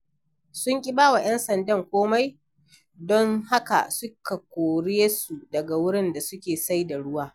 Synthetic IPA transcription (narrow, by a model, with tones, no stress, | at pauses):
sʊ˦ŋkʲʼɪ˦baː˦wa˨j̰ɛ˦nsɐ˨ndɐ˦˨ŋkʷoː˦ma˦j | dɔ˦ŋha˦ka̰˨sʊ˦ka˨kʷoː˨ɽeː˦su˨dɐ˨ɡa˨wʊ˦ɽɪ˦nda˨sʊ˦kʲeː˨sa˦jda˨ɽʊ˦waː˦